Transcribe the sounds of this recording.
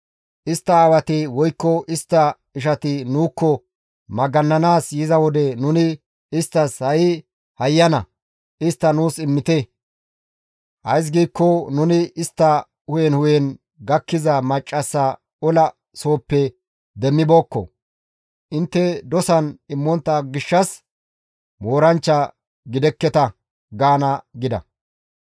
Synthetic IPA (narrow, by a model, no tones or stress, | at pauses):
ʔɪst̪ːɐːwɐt̪ɪwɔjkːɔʔɪst̪ːɐ | ɪʃ̬ɐt̪ɪnuːkːɔ | mɐɡɐnːɐnaːsjɪzɐwɔd̪ɛnʊnɪ | ɪst̪ːɐshɐjɪ | hɐjːɐnɐ̰ | ʔɪst̪ːɐnuːsɪmːɪt̪ɛ | ʔɐjs̬ɡiːkːɔnʊnɪɪst̪ːɐ | hʊjɛnhʊjɛn | ɡɐkːɪzɐmɐt͡ʃʼːɐsːɐ | ɔlɐ | so̞ːpːɛ | d̪ɛmːɪbo̞ːkːɔ̰ | ʔɪnt̪ːɛd̪ɔsɐnɪmːɔnt̪ːɐɡɪʃːɐs | mo̞ːɾɐnt͡ʃːɐ | ɡɪd̪ɛkːɛt̪ɐ | ɡaːnɐɡɪd̪ɐ̰